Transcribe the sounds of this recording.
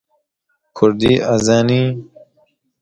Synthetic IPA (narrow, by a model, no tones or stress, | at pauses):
kʰuɾd̪iːʔazaːniː